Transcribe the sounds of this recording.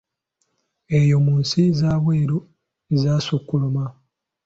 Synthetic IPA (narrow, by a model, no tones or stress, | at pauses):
e̞jomuːnsizaːβwe̞ːɾo | ezaːsukːuluma